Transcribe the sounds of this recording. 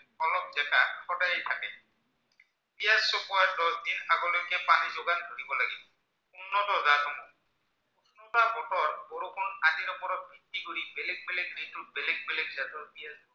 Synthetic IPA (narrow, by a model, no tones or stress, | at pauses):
ɔlɔk̚zɛkaxɔdajejtʰakɛ | bijasːɔpuaɹdɔd̪inaɡɔlojkɛpanizoɡandʱoɾibɔlaɡi | unːɔtɔzatɔmɔ | utʰnɔtabɔtɔɹboɹokʰʊnadiɾɔpɔɹɔt̚bʱitːikoɹibɛlɛk̚bɛlɛknitubɛlɛɡ̚bɛlɛk̚zatɔbijazɔ